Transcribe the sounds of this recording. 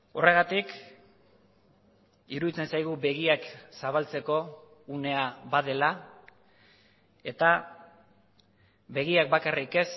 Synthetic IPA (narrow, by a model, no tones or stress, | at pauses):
o̞re̞ɣat̪ik | iɾuðit͡se̞nsajɣ̞ube̞ɣ̞iaksaβalt͡se̞ko̞ | une̞aβaðe̞la | e̞t̪a | βe̞ɣ̞iak̚bakarike̞s